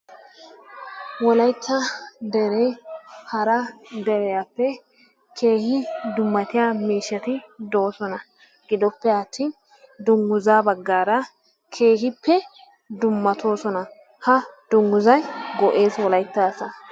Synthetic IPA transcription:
wɔlɐjt̪ːɐd̪ɛɾehɐɾɐd̪ɛɾɛjapːɛ | kʰe̞ːhɪd̪ʊmːɐt̪ɪjaːmiːʃːɐt̪ɪd̪oːsɔnɐ | ɡ̥ɪd̪ɔpːɛɐt̪ʰːiːn | d̪ʊŋɡʊzaːbɐɡːaːɾɐ | kʰe̞ːhɪpːɛ | d̪ʊmːɐt̪ʰo̞ːsɔnɐ | hɐd̪̥ʊŋɡʊzɐjɡɔʔe̞ːswɔlɐjt̪ːaːsɐ

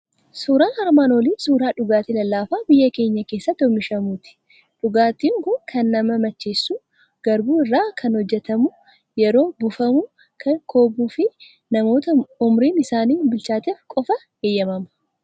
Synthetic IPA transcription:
suːɾaːnhɐɾmaːnoliːnsuːɾaːᶑʊɡaːt̪iːlɐlːaːfaːbɪjːɐke̞ːɲːɐke̞ːsːɐt̪ːɔmɪʃɐmuːt̪ɪ̥ | ᶑʊɡaːt̪iːŋkʊkʰɐnːɐmɐmɐt͡ʃːeːsːuː | ɡ̥ɐɾbuːɪrːaːkʰɐnhɔd͡ʒːɛt̪ɐmʊ | jɛɾo̞ːbʊfɐmʊ | kʰɐkʰo̞ːbuːfɪ | nɐmo̞ːt̪ɐʊmɾiːnɪsaːniːbɪlt͡ʃaːt̪eːfkʼɔfɐ | eːjːɐmɐmɐ̥

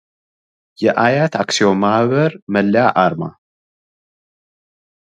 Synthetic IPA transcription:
jɛʔajat̪ʰaksio̞mahβəɾməlːjaʔaɾma̰

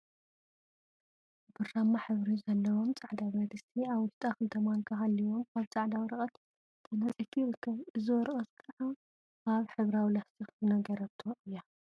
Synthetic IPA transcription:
bɨrːamːaħɨβɾizɐlːɐwo̞mt͡sʼaʕd̪awɐd̪ɨst̪ʰiaβːʊʃt̪ʼakɨlt̪ʰɐmaŋkʰɐxalːiwomkʰaβt͡sʼaʕd̪awɾɐkʼɐt̪ | t̪ʰɐnɐt͡sʼit̪ʰiɾɨkʰːɐβɨzɨwɔɾɨχʼɐt̪kʼɨʕa | ʔaβħɨβɾawilast̪ʰixzɨnɐɡɐɾɐβt̪ʰoʔɨjːa

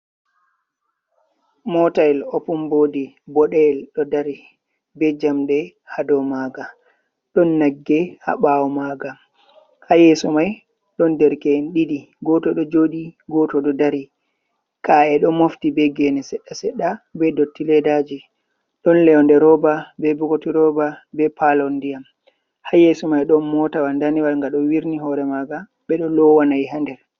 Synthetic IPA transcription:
mɔtaɛlɔpumbodi | bɔɗɛlɗɔdaɾi | bɛd͡ʒamɗɛhadɔmaɡa | ɗɔnːaɡːɛha̰ɓawɔmaɡa | hajɛsɔmaj | ɗɔndɛɾkɛnɗiɗi | ɡɔtɔɗɔd͡ʒoɗiɡɔtɔɗɔdaɾi | kaɛɗɔmoftibɛɡɛnɛsɛɗːasɛɗːabɛdɔtːilɛdad͡ʒi | ɗɔnlɛɔndɛɾɔbabɛbɔɡotiɾɔbabɛpʰalɔndijam | hajɛsɔmajɗɔnmɔtawandaniwalŋɡaɗɔwiɾniɦɔɾɛmaɡa | ɓɛɗɔlɔwanajɦandɛɾ

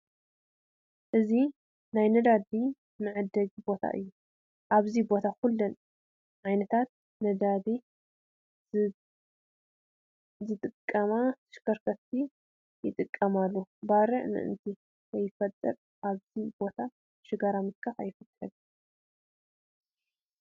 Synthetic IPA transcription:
ʔɨzi | najnɐd̪ad̪i | mɨʕɨd̪ɐd͡ʒbo̞t̪ʰa̰ʔɨ̰jːu | ʔaβzibo̞t̪ʰakʊlːɐn | ʕajnɐt̪ʰat̪̚ | nɐd̪ad̪i | zɨt̪ʼɨkʼːɐmat̪ʰɐ̥ʃkʰɐɾkʰɐt̪ʰːi | jɪt̪ʼɨkʼːɐmalːobaɾɨʕnɨ̰ʔɨ̰nt̪ʰi | zɐjːɪfɐt̪ʼːɐɾ | ʔaβzibo̞t̪ʰa | ʃɨɡaɾamɨt̪̚kʰɐfa̰jɪfɨkʰʼːɐd̪

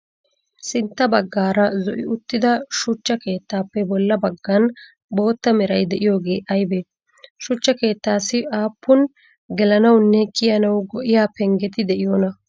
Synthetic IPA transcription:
sɪnt̪ːɐbɐɡːaːɾɐzɔʔɪʊt̪ːɪd̪ɐʃʊt͡ʃːɐke̞ːt̪ːaːpːɛbɔlːɐbɐɡːɐn | bo̞ːt̪ːɐmɛɾɐjd̪ɛʔɪjo̞ːɡe̞ːʔɐjbeː | ʃʊt͡ʃːɐke̞ːt̪ːaːsːɪʔaːpːʊn | ɡɛlɐnɐwnːɛkɪjɐnɐwɡɔʔɪjaːpɛŋɡɛt̪ɪd̪ɛʔɪjoːnɐ

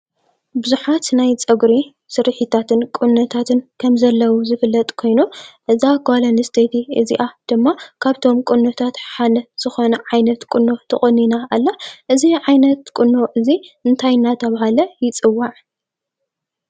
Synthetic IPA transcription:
bɨzuħat̪najt͡sʼɐɡɾi | sɨɾħit̪ʰat̪ʰɨnkʼɨnːɐt̪ʰat̪ʰɨnkʰɐmzɐlːɐwuzɨfɨlːɐt̪ʼkʰo̞jnuʔɨziaɡalɐnɨst̪ʰet̪ʰiɨziʔad̪̥ɨmːakʰaβt̪ʰo̞mkʼɨnːot̪ʰat̪ħanɐz̥ɨxo̞nɐʕajnɐt̪kʼɨnːot̪ʰɐχʼɐnːinaalːaʔɨziʕajnɐt̪kʼɨnːoʔɨziɨnt̪ʰajnat̪ʰɐβahalɐjɪt͡sʼɨwːaʕ

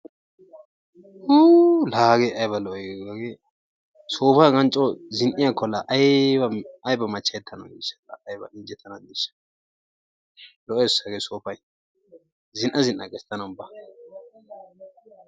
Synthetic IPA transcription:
hulaːɡɛɐjbɐlɔɔɡɐɡe | soːfɐɡɐnt͡ʃʼɔzɪnʔɪjakːɔlɐʔjɐɐjbɐmɐt͡ʃːɐjɛt̪ʰːɐnɐ̰wd̪iʃɐlɐːjbɐ̰ɪnd͡ʒɛt̪ʰːɐnɐdiʃɐ̥ | lɔʔesɐɡeːsoːpɐj | zɪnʔɐzɪnʔɐɡɛst̪ːɐnɐbɐ

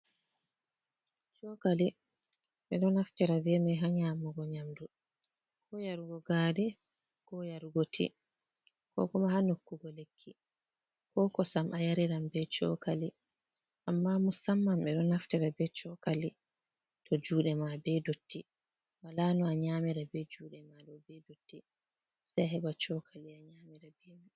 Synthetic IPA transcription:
t͡ʃɔkali | ɓɛɗɔnaftɛɾabɛmaɦaɲaːmuɡɔɲamdu | kɔjaɾuɡɔɡaːɗɛ | kɔjaɾuɡotʰḭ | kɔ̰kɔmahanokːuɡɔlekʰːi | kɔkɔsamʔajaɾiɾambɛt͡ʃɔ̰kali | ʔamːamusamːamɛɗɔnaftɛɾabɛt͡ʃɔkali | tʰɔd͡ʒuːɗɛmabɛdotːi | walanɔaɲaːmiɾabɛd͡ʒuːɗɛmaɗɔbɛdotːi | sajaɦɛɓat͡ʃɔkʰaliaɲaːmiɾabɛmi

